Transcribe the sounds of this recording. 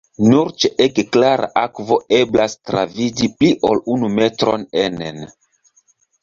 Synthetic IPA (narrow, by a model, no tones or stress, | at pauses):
nuɾt͡ʃeʔekklaɾʔa̰ʔakvo̞e̞blastɾa̰vid͡ʒipliʔo̞lunume̞tɾo̞nenen